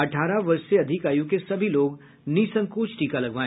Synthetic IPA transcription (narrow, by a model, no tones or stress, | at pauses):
ɐʈʰaːɾaʋɐɾʃseɐd̪ʱɪkaːjũkesɐbʱiloːɡ | niːsə̃ŋkuːt͡ʃʈiːkalɐɡʋaːẽ